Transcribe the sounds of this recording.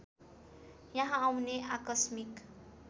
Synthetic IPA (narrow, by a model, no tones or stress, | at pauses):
jãɦãːwneakʌsmik